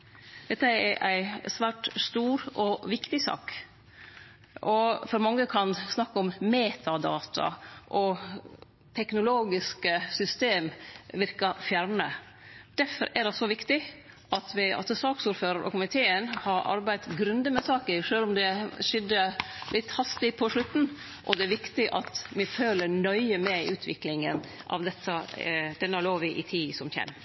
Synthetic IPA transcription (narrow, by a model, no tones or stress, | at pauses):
d̪̥ɛt̪ːəɛʔæɪsʋæːʈst̪uːɾʔɔʋɪkt̪ɪsɑ̰ːk | ʔɔfɔɾmɑŋːəkʰɑnsnɑkːəɔmmeːt̪ʰɑd̪ɑ̰ːt̪ʰɑ̰ʔɔ | t̪ʰɛknʊloːɡɪskəsʏst̪eːmʋɪɾkɑfjæɾɳə | d̪̥æfɔ̰ɾʔɛdɛsɔʋɪkt̪ɪ | ʔɑt̪ʋɪɑ̰səsɑːksuːɾføːɾəɾʔɔ̰kʊmɪt̪ʰeːənhɑɾɑ̰ɾbæɪd̪ɡɾʉnd̪əmɛsɑːkəʂøːlɔmd̪ɛʂɪd̪əlɪt̪ːhɑst̪ɪpʰɔʂɭʉt̪ːn̩ | ʔɔ̰d̪ɛæɾʋɪkt̪ɪʔɑ̰t̪mɪføːləɳœʏəmɛʉːt̪ʰʋɪklɪŋənʔɑ̰ʋd̪ɛt̪ʰːəd̪̥ɛnːloːʋɪʔɪt̪ʰiːsɔmçɛ̰n